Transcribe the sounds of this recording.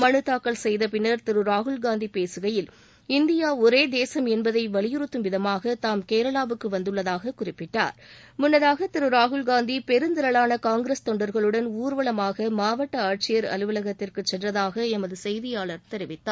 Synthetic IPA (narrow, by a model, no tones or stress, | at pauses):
mɐɳɯt̪ːaːkːɐɭsɛjðɐpɪnːɐɾt̪ɪɾɯɾaːɣɯɭɡaːnd̪ipeːsɯɣɐjɪl | ɪnd̪ɪjaːɔɾeːd̪eːsɐmɛnbɐðɐɪʋɐɭɪjɪɾɯt̪ːɯmʋɪðɐmaːɣɐt̪aːmkeːɾɐɭaːʋɯkːɯʋɐnd̪ɯɭːɐðaːɣɐkʊrɪpːɪʈːa̰ːɾmʊnːɐðaːɣɐt̪ɪɾɯɾaːɣɯɭɡaːnd̪ipɛɾɯnd̪ɪɾɐɭaːnɐkaːŋɡɪɾɐst̪ɔɳɖɐɾɣɐɭɯɽɐnuːɾʋɐɭɐmaːɣɐmaːʋɐʈːɐaːʈ̚t͡ʃɪjɐɾɐ̰lɯʋɐlɐɣɐt̪ːɪrkɯt͡ʃːɛnrɐðaːɣɐɛmɐðɯsɛjðɪjaːɭɐɾt̪ɛɾɪʋɪt̪ːaː